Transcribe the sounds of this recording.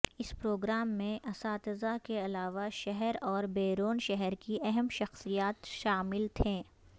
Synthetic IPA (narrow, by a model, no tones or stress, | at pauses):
ɪspɾoːɡɾaːmːẽʔɐsaːt̪ɪzakeɐlaːʋaʃɛɦɛɾɔːɾbeːɾoːnʃɛɦɛɾkiʔɛɦɛmʃɐxsijaːt̪ʃaːmɪlt̪ʰɛ̃ː